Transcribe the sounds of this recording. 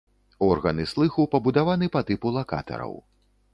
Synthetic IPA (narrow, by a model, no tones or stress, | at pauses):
ɔrɣɐnɨslˠɨxupɐbud̪avanɨpɐt̪ɨpulˠaka̰t̪ɐ̰ɾɐ̰w